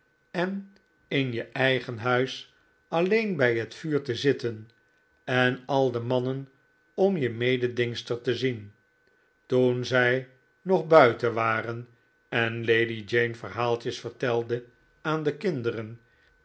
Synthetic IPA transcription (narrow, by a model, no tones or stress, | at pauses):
ɛn | ɪnjəʔɛjχənɦœɥs | ɑlejnbɛjɦətfyːɹtəzɪtən | ɛnɑlˠdəmɑnən | ɔmjəmejdədɪŋstəɹtəzin | tunzɛj | nɔχbœɥtəʋaːrən | ɛnlejdid͡ʒejnfəɹɦaːlˠt͡ʃəsfəɹtɛlˠdə | aːndəkɪndərən